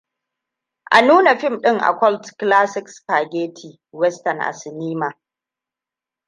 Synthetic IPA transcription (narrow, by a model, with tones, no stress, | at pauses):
ʔa̰˨nuː˦na˨ɸɪ˦mɗɪ˦ŋʔa̰˨kʷɔ˦ltklaː˦sɪ˦kspaː˨ɡʲeː˦tʰiː˨ | wɛ˦stɐ˨nʔa̰˨sɪ˨niː˦ma˨